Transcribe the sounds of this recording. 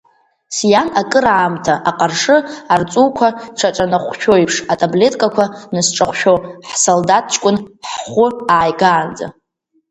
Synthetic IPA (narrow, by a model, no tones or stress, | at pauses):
sjanakʼɨɾaːmtʰaʔaqʼarʂɨart͡sʼuwkʷʰaʈ͡ʂʰaʈ͡ʂʼanɨχʷʃᶣʰojpʰʂatʰʼable̞tʼkʼakʷʰanɨsʈ͡ʂʼaχʷʃᶣowħsoldat̚ʰt͡ʃʼkʷʼʊnħχʷʊaːjɡaːnd͡za̰